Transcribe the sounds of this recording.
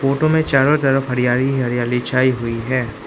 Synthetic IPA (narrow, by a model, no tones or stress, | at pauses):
foːʈomẽt͡ʃaːɾot̪ɐɾəfɦɐɾijaːɾiɦɐɾijaːlit͡ʃaːiɦʊiɦɛː